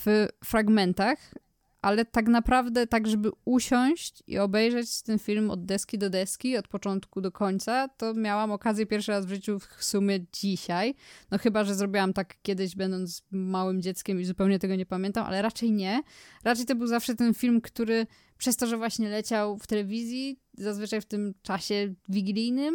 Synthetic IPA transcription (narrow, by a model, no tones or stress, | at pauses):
ffɾaɡmɛnt̪ax | ʔalɛt̪aknapɾavd̪ɛt̪aɡʐɛbɘuɕɔɲ̃ɕt͡ɕḭɔbɛjʐɛt͡ɕt̪ɛnfʲilmɔ̰d̪ːɛskʲid̪ɔd̪ɛskʲiɔt̪̚pɔt͡ʂɔnt̪kud̪ɔkʰɔɲt̪sat̪ɔmʲjawamɔkazʲjɛpʲjɛɾfʂɨɾazvʐɘt͡ɕufsumʲjɛd͡ʑiɕajnɔxɘbaʐɛzɾɔbʲiwamt̪akːʲɛd̪ɘʑbɛnd̪ɔnt̪zmawɘmd͡ʑɛt̪skʲɛmizupɛwɲɛt̪ɛɡɔɲɛpamʲjɛnt̪amʔa̰lɛɾat͡ʂɛjɲɛɾat͡ʂɛjt̪ɔbɘwzafʂɛt̪ɛnfʲilmkt̪uɾɘ | pʂɛst̪ɔʐɛvwaɕɲɛlɛt͡ɕawft̪ɛlɛvʲizʲjizazvɘt͡ʂajft̪ɘmt͡ʂaɕɛvʲiɡlʲijnɘm